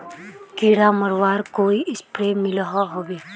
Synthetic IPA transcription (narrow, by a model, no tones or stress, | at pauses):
kiɽaməɾwaːɾkoːiɪspɾemɪlɦaɦoːbeː